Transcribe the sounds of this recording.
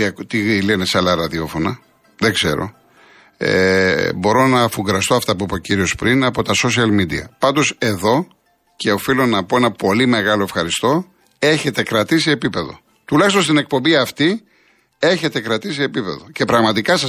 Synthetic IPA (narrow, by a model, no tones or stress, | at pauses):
ɐkt̪ileneseɐlɐɾɐðio̞fo̞nɐ | ðeɡz̥e̞̰ɾo̞̰ | ḛbo̞ɾo̞nɐfuŋɡɾɐst̪o̞ɐft̪ɐp̬uipo̞ciɾio̞spɾinɐpo̞t̪ɐso̞s̬iɐlmid̪ḭɐ̰pɐnd̪o̞se̞ðo̞ | ce̞o̞filo̞nɐpo̞e̞nɐpo̞lime̞ɣɐlo̞efxɐɾist̪o̞ | e̞çe̞t̪e̞kɾɐt̪iseepipe̞ðo̞̰ | t̪ulɐçist̪o̞nst̪ine̞k̚pombiɐft̪i | e̞çe̞t̪e̞kɾɐt̪is̬eeːpipe̞ðo̞ce̞pɾɐɣmɐt̪ikɐsɐ